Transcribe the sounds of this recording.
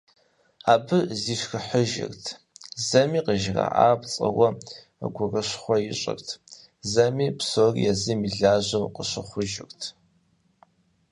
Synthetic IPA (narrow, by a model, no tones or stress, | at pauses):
aːbɨziːʃxəħəʒɪ̰rtʰ | zɐmiːqəʒra̰ʔaːpt͡sʼɐ̰wɐ | ə̰ɡʷʊrəɕχʷɔjɪɕʼɪ̰rtʰ | zɐmiːpsoːrḭjɛzɨmiɮaːʒɐwqəɕəχʷʊʒɪ̰rtʰ